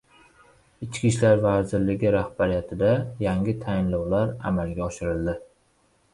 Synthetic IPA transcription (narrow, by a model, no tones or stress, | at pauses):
ɪt͡ʃkʲiʃlaɾvazɪɾlɪɡʲɪɾahbaɾijat̪ʰɪd̪ajaŋʲɪt̪ʰajɪnlɒwlaɾa̰malɡʲaɒʃɪɾɪlˠd̪ɪ